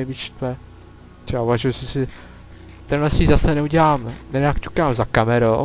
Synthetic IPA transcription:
ɛjbit͡ʃt̪lɛ | t͡ʃauvaʒujɛsɪsɪ | t̪ɛnlɛsiːzasɛnɛuɟɛlaːmnɛɲakt͡ʃu̥kaːmzakamɛɾo

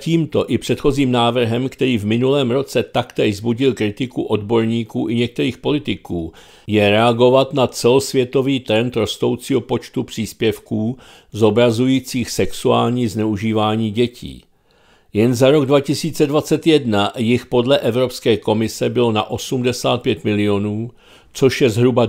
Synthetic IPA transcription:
ciːmt̪o̞ʔɪpr̝̥ɛt̪xo̞ziːmnaːvr̩ɦɛmkt̪ɛɾiːvmɪnulɛːmɾo̞t͡sɛt̪akt̪ɛzbuɟɪlkɾɪt̪ɪkuʔo̞dbo̞ɾɲiːkuːʔɪɲɛk̚t̪ɛɾiːxpo̞lɪt̪ɪkuː | jɛɾɛaɡo̞vat̪nat͡sɛlo̞svjɛt̪o̞viːt̪ɾɛnt̪ɾo̞st̪o̞wt͡siːɦo̞po̞t͡ʃt̪upr̝̥iːspjɛfkuː | zo̞bɾazujiːt͡siːxsɛksuaːlɲiːznɛuʒiːvaːɲiːɟɛcḭː | jɛnzaɾo̞ɡdvacɪsiːt͡sɛdvat͡sɛt̪jɛdnajɪxpo̞dlɛʔɛvɾo̞pskɛːko̞mɪsɛbɪlo̞na̰ʔo̞sumdɛsaːt̪̚pjɛt̪mɪlɪo̞nuː | t͡so̞ʃjɛzɦɾuba

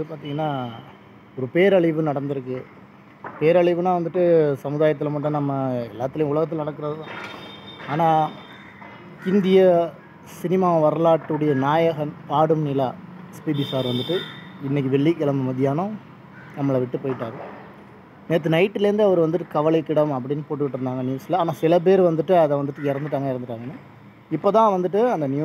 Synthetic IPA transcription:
ɯpaːɾt̪iːŋɡɐnːaː | ɔɾɯpeːɾɐɭɪʋɯnɐɽɐnd̪ɪɾɯkːɯ | peːɾɐɭɪʋɯnaːʋɐnd̪ɯʈːɯsɐmɯðaːjɐt̪̬ːɪlɐmɐʈ̬ːɐ̃nɐmːɐɛlːaːt̪ːɪlɐjʊ̃ʊɭɐɣɐt̪ːɪlɐnɐɽɐkːɯɾɐðɯðãː | aːnaː | ɪnd̪ɪjɐ | sɪnɪmaːʋɐɾɐlaːʈːɯɽɐjɐnaːjɐɣɐmpaːɽɯmnɪlaː | spiːbisaːɾʋɐnd̪ɯʈːɯɪnːɛk̬ːɯʋɛɭːikːɛlɐmɐmɐðɪjaːnɐ̃ | nɐmːɐɭɐʋɪʈːɯpoːjɪʈːaːɣɐ | neːt̪̬ːɯnɐɪʈːɪlɐɾɯnd̪ɯɐʋɐɾɯʋɐnd̪ɯʈːɯkɐʋɐɭɐɪkːɪɽɐmɐpːɐɽɪnːɯpoːʈːɯʋɪʈːɯɾɯnd̪aːŋɡɐnjuːsɪlɐaːnãːsɪlɐp̬eːɾɯʋɐnd̪ɯʈːɯɐðɐʋɐnd̪ɯʈːɯkːɪɾɐnd̪ɯʈːaːŋɡɐɪɾɐndɯʈːaːŋɡɐnːɯ | ɪpːoːt̪ãːʋɐnd̪ɯʈ̬ːɯɐnd̪ɐnɪjuː

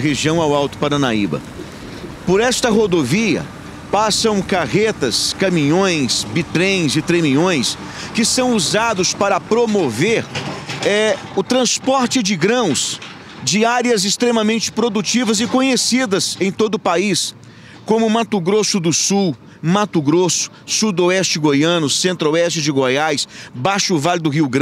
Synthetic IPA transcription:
ɦeʒiɐ̃w̃awawt̪ʊ̥paɾɐnaibɐ̰ | poɾɛst̪ɐɦod̪oviɐ̰ | pasɐ̃w̃kaʁet̪ɐskɐmĩɲõj̃sbit̪ɾẽj̃zɪt̪ɾemĩɲõj̃s | kɪsɐ̃w̃uzad̪ʊspaɾɐpɾomoveɾɛ | ʊt̪ɾɐ̃spɔɾt͡ʃɪd͡ʒɪɡɾɐ̃w̃s | d͡ʒɪaɾjɐzɪst̪ɾemɐmẽnt͡ʃɪ̥pɾod̪ut͡ʃivɐzɪkõɲesid̪ɐzẽj̃t̪od̪ʊʊpais | kõmʊmat̪ʊɡɾosʊd̪ʊsuw | mat̪ʊɡɾosʊ̥sud̪oɛst͡ʃɪɡojɐ̃nʊsẽnt̪ɾoɛst͡ʃɪd͡ʒɪɡojajsbaʃʊvalɪd̪ʊɦiwɡɾɐ̃

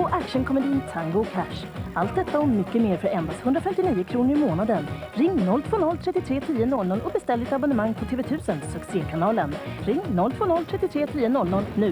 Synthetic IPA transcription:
pɔʔækʂənkʰɔmɛd̪ɪnt̪ʰaŋɡʊkʰæʂ | alt̪̚d̪ɛt̪ːaɔmːʏkːəmeːɾfœɾɛnb̪ashɵnd̪ɾafɛmt̪ɪniːəkʰɾuːnəɾɪmoːnad̪ən | ɾɪŋːnɔlːt̪ʰvoːnɔlːt̪ʰɾɛt̪ːɪt̪ʰɾeːt̪ʰiːənɔlnɔlʔɔbɛst̪ɛlːd̪ɪt̪abɔnəmaŋːpʰɔt̪ʰeːvɛt̪ʰʉ̟ːsənsɵkseːkʰanɑːlənɾɪŋːnɔlt̪ʰvoːnɔlt̪ʰɾɛt̪ːɪt̪ʰɾeːt̪ʰiːənɔlnɔlnʉ̟ː

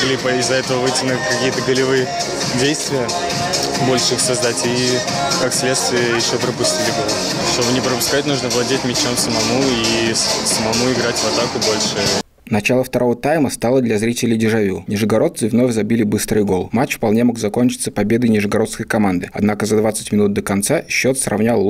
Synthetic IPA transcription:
ɡlʲipəɪzːɐɛt̪əvəvɨtʲɪnʊlʲɪkɐkʲijət̪əɡəlʲɪvɨjə | dʲejst̪vʲɪjə | bo̞lʲʂɨixsɐzd̪atʲi | kaksʲlʲet̪st̪vʲɪjəjɪɕːopɾəpʊsʲtʲilʲɪbolˠə | ʂt̪o̞bɨnʲɪpɾəpʊskat̚ʲnuʐnəvlˠɐdʲetʲmʲɪt͡ɕamsəmɐmuisəmɐmuɪɡɾatʲvɐt̪akʊbo̞lʲʂɨ | nɐt͡ɕalˠəft̪ɐɾʔo̞vət̪ajməst̪alˠəd̪lʲɐzɾʲitʲɪlʲɪjdʲɪʐɐvʲunʲɪʐɨɡɐɾo̞t̪sɨvno̞fʲzɐbʲilʲɪbɨst̪ɾɨjɡo̞lˠmat͡ɕfpɐlˠnʲe̞mo̞ɡzɐko̞nʲt͡ɕɪ̥t̪sə̥pɐbʲe̞d̪əjnʲɪʐɨɡɐɾo̞t̪skəjkɐmand̪ɨɐd̪nakəzɐd̪vat̪sə̥tʲmʲɪnut̪̚d̪əkɐnt̪saɕːo̞t̪srʔɐ̰vnʲalˠ

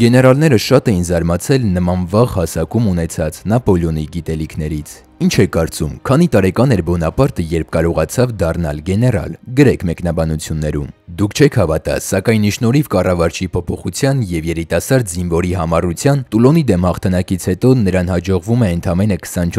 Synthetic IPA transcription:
ɡɛnɛɾɑlnɛɾəʃɑt̪ɛjinzɑɾmɑt͡sʰɛlnəmɑnvɑʁhɑsɑkumunɛt͡sʰɑt͡snɑpɔljɔniɡit̪ɛlikʰnɛɾit͡sʰ | int͡ʃʰɛkːɑɾt͡sumkʰɑn̪it̪ɑɾɛkɑnɛɾbɔnɑpɑɾt̪əjɛɾp̚ʰkɑɾɔʁɑt͡sʰɑvd̪ɑrnɑ̰lɡɛnɛrɑ̰lɡəɾɛkʰmɛkn̪ɑbɑnut͡sʰjunːɛɾṵmd̪ukʰt͡ʃʰɛkʰhɑvɑt̪ɑ̰ssɑkɑjniʃnɔɾivkɑrɑvɑɾt͡ʃʰipʰɔpʰɔχut͡sʰjɑnjɛvjɛɾit̪ɑsɑɾd̪zinvɔɾiɦɑmɑrut͡sʰjɑnt̪ulɔnid̪ɛmhɑχt̪ʰɑnɑkit͡sʰhɛt̪ɔnəɾɑnhɑd͡ʒɔʁvumɛənt̪ʰɑmɛnəkʰə̥sɑnt͡ʃʰ

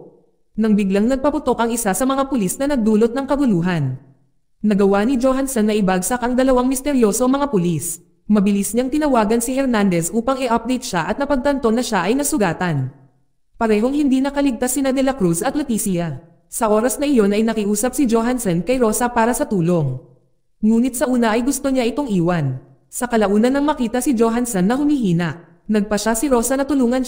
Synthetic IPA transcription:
nɐŋbɪɡlaŋnɐɡ̚pɐpʊt̪o̞kʔɐŋɪsasɐmɐŋapʊlisnɐnɐɡ̚d̪uːlot̪̚nɐŋkɐɡʊluːɦɐn | nɐɡɐwanɪd͡ʒoɦansɐnːɐʔɪbaɡsɐkɐŋd̪ɐlɐwaŋmɪst̪ɛɾjo̞ːsomɐŋapʊlis | mɐbɪlisɲaŋt̪ɪnɐwaːɡɐnsɪhɛɾnand̪ɛsʔuːpɐŋɪʔap̚d̪ɛjt̪̚ʃaʔɐt̪nɐpɐɡ̚t̪ɐnt̪o̞nɐʃaʔɐjnɐsʊɡaːt̪ɐn | pɐɾɛːɦo̞ŋhɪnd̪inɐkɐlɪɡ̚t̪asːɪnɐd̪ɛlɐkɾusɐt̪̚lot̪iːsɪja | sɐʔo̞ːɾɐsnɐʔɪjo̞nʔɐjnɐkɪʔuːsɐp̚sɪd͡ʒoːɦansɛnkɐjɾo̞ːsɐpaːɾɐsɐt̪uːlo̞ŋ | ŋuːnɪt̪̚sɐʔuːnɐʔɐjɡʊst̪o̞ɲaʔɪt̪o̞ŋʔiːwɐn | sɐkɐlɐʔuːnɐnɐŋmɐkiːt̪ɐsɪd͡ʒoːɦansɐnːɐhʊmihiːnɐʔ | nɐɡ̚pɐʃasɪɾo̞ːsɐnɐt̪ʊluːŋɐn

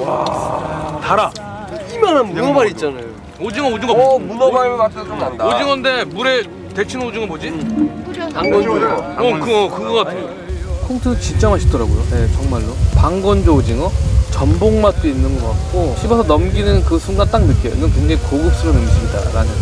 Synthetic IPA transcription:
a̰ | taɾa | imananbunʌmaɾit̚t͡ɕ͈anajo | od͡ʑiŋʌod͡ʑiŋʌunaat͈od͡ʑiŋʌnde̞muɾe̞ | te̞t͡ɕʰinɯnod͡ʑiŋʌbod͡ʑi | paŋɡʌnoʌkɯʌkɯɡʌɡatɯɲ | kʰoŋtʰɯnɯnt͡ɕit͡ɕ͈ʌmɦaɕʰidʌɾaɡojo̰net͡ɕʌŋmaɭːopaŋɡʌnd͡ʑoːd͡ʑiŋʌt͡ɕʌmboŋmat͈oinːɯnɡʌk͈ak̚k͈oɕʰibʌsʰʌnʌmɡinɯnkɯsʰuŋɡat͈aŋnɯk͈enːɯnkindeikoɡɯp̚s͈ɯɾonɯmiɕ͈ʰimɲida̰ɾa̰nɯn

